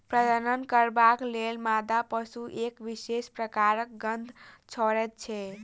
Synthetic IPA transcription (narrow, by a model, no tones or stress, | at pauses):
pɾəd̪ənənkəɾbaklelmad̪apəsuʔekʋisespɾəkaɾək̚ɡənd̪ʱ | t͡ʃʰɔɾɛt̪̚t͡ʃʰɛ